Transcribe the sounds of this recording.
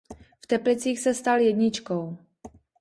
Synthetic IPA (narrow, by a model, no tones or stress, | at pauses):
ft̪ɛplɪt͡siːxsɛst̪aljɛdɲɪt͡ʃkow